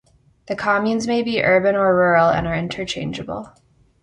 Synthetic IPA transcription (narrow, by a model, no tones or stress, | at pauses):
ðɨkʰɑmjʉ̃nzmeɪbiʔɜ˞bɨ̃nə˞ɹɔɹl̩ˠɨ̰̃nə˞ɪ̃ntʰə˞t͡ʃʰẽɪ̃nd͡ʒɨbl̩ˠ